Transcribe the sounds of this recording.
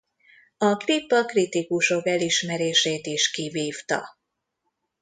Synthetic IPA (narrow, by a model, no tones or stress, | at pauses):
ɒkripːɒkrit̪ikuʃo̞kɛliʃmɛɾeːʃeːt̪iʃkiviːft̪ɒ̰